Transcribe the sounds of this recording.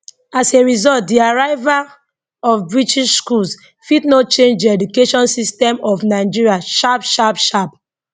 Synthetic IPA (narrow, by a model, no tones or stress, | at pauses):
aseɹizɔlt̚diaɹaɪva | ɔfbɹitʰiʃskuls | fitnot͡ʃẽnd͡ʒdiɛdukeʃɔ̃nsistɛmɔfnaɪd͡ʒiɹiaʃabʃapʃab